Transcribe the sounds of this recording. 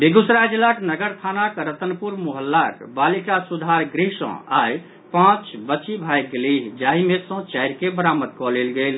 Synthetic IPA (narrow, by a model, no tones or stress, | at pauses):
beɡusɾad͡ʒlaknəɡəɾt̪ʰanakɾət̪ənpuɾmuɦəlːakbalikasud̪ʱaɾɡɾiɦsə̰̃aj | pãt͡ʃbət͡ʃibʱajɡliɦd͡ʒaɦimesə̃t͡ʃajɾkebəɾaməd̪̚kɔlelɡel